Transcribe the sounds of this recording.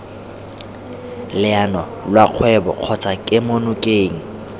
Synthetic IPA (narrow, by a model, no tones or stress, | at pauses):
lɪanɔ | lwaq͡χʰwɛbɔ̰q͡χʰɔt͡sʰakʼɪmonʊkʼeːŋ̩